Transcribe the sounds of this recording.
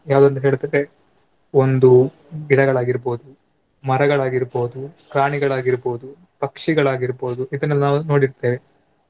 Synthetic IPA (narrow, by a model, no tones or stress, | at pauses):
jaːʋud̪ɐnt̪ɐɦeːɭt̪ɐd̪e | ond̪u | ɡiɽɐɡɐɭaːɡiɾboːd̪u | mɐɾɐɡɐɭaːɡiɾboːd̪ukɾaːɳiɡɐɭaːɡiɾboːud̪u | pɐkʂiɡɐɭaːɡiɾboːd̪uʔid̪ɐnːɐlnaːʋuno̞ːɽiɾt̪eːʋe